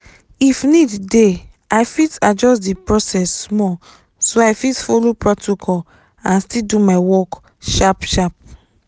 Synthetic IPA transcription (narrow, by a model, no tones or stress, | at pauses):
ifnidde | ajfitad͡ʒɔsdipɹɔsɛsːmɔ | soajfitfolopɹɔtʰokʰɔl | ãnstildumaɪwɔk | ʃapʃap̚